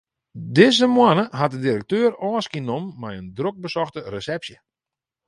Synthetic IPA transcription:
dɪzəmwanəɦat̚dədiɾək̚tøːɾɔːskinomːɛjəndrok̚bəsɔxtəresɛpsjə

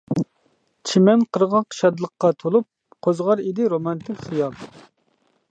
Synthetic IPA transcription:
t͡ʃʰimɛnqʰəɾʁɑqʰə̥ʃɑd̪lˠəqːɑt̪ʰolˠup̚ | qʰozʁɑɾid̪ɪɾomɑnt̪ʰɪkʲχijɑl

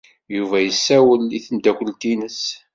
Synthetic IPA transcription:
juvæjəsːæwəliθənd̪ækʷəlt̪inəs

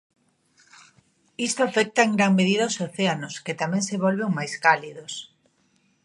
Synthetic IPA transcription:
ist̪oafɛk̚t̪aeŋɡɾaŋmeðiðaosoθeanosket̪amɛ̃ŋseβɔlβeŋmajskaliðos

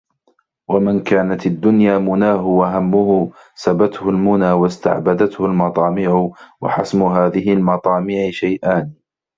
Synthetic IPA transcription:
wamankaːnat̪ad̪ːʊnjaːmʊnaːɦʊwaɦamːʊhʊ | sabat̪hʊlmʊnaːwast̪a̰ʕbad̪at̪hʊlmɑt̪ˤɑːmɪʕʊwa̰ħasmʊɦaːðɪɦɪlmɑt̪ˤɑːmɪːʕɪʃajʔaːn

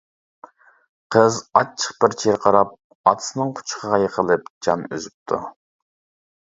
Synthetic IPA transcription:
qʰəzɑt͡ʃʰːə̥qb̥ɪɾt͡ʃʰeɾqʰɑɾɑp̚ | ɑt̪ʰɨ̥sɨnɨŋqʰʊ̥t͡ʃʰqʰəʁɑjəqʰəlˠɨp̚d͡ʒɑnø̰zyp̚t̪ʰu

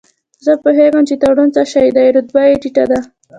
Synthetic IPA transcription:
zəpʊɦeɡəmt͡ʃet̪aɽunt͡saʃajid̪ajɾut̪̚bajeʈiʈad̪a

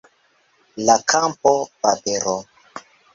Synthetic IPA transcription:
lakʰampopapeɾo

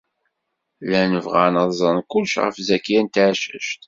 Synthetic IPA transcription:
lænəvʁanəzˤənkʊlʃʁə̰fzækːjænt̪ʕʃə̰ʃt̪

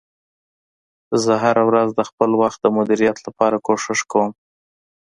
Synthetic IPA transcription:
zəɦaɾawɾazd̪əxpəlwaxt̪̚d̪əmʊd̪iɾijɑt̪lapɑɾakoʂɪʂkawəm

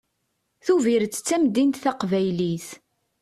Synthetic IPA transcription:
θuviɾt͡sːt͡sːæmd̪int̪θæqvæjliθ

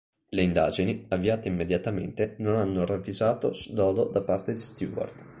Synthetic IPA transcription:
leind̪a̰ːd͡ʒiniavːiaːt̪eimːed̪jat̪amḛnt̪enonanːoravːizaːt̪o̰sd̪ɔːd̪od̪apːart̪ed̪ist̪jṵːwɔ̰rd̪̥

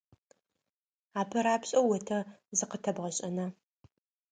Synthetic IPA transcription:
aːpʰɐɾaːpɕʼɐwwːɐtʰɐzɨqətʰɐbʁɐɕʼɐnɐ

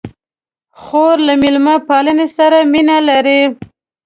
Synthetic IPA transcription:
xoɾlamilmapɑlənesaɾaminalaɾi

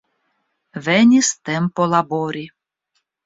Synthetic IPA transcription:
vɛnʲist̪ɛmpɔlˠabɔɾʲi

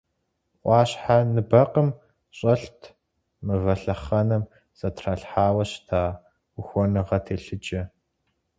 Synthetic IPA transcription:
ʔʷɑːɕħanɨbɐqəm | ɕʼɐɬtʰ | mɨvɐɬɐχɐnɨm | z̥ɐtʰraɬħaːwɐɕtʰaː | uxʷɔnɨʁɐtʰeːɬɨd͡ʒʼɐ

